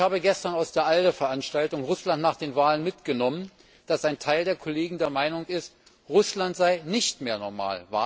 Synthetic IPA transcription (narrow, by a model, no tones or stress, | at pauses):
haːbəɡɛstɐnaʊsd̥eːɐʔaldəfɛɐʔanʃtaltʊŋʁʊslantnaːχd̥eːnvaːlənmɪtɡ̥ənɔmən | d̥asaɪntʰaɪldeːɐkʰɔleːɡŋ̩deːɐmaɪnʊŋɪst | ʁʊslantz̥aɪnɪçtmeːɐnɔɐma̰ːlva̰